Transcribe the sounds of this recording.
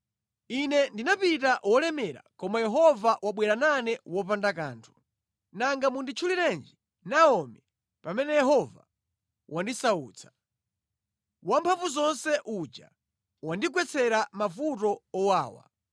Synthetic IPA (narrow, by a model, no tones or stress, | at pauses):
inɛndinapitaʔwɔlɛmɛɾa̰kɔmajɛɦɔvaʔwaɓwɛɾananɛwɔpandakaːntʰu̥ | naŋɡamundit͡ʃʰuliɾɛnd͡ʒi | naɔmɛ | pamɛnɛjɛɦɔva̰ | wandisaṵːt͡sʰḁ | wampʰaɱvuzɔnsɛʔud͡ʒa̰ | wandik̬wɛt͡sʰɛɾamafutɔɔwaːwa̰